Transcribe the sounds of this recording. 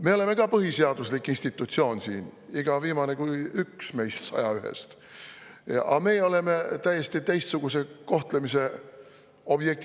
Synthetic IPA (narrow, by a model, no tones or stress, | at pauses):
me̞o̞le̞me̞kɑpɤɦiseɑd̪̥uslikːˑinst̪it̪ːˑut̪sio̞ːnsḭːniɡ̥ɑviːmɑne̞kujyksme̞jst̪sɑ̰jɑyɦḛst̪ | ɑ̰me̞ːo̞le̞me̞t̪æjːest̪it̪ejst̪suɡ̥use̞ko̞ht̪lemise̞ | o̞b̥jek̚t̪